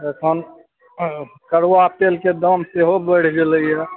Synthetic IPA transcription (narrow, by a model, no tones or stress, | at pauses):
əkʰən | kəɾat̪elked̪əmseɦobəɽ̤d͡ʒeləjɛ